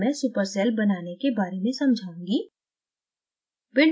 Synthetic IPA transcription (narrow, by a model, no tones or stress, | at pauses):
mɛ̃ːsupəɾsɛːlbɐnaːnekebaːɾemẽsɐ̃md͡ʒʱaːũːŋɡiː | bɪɳ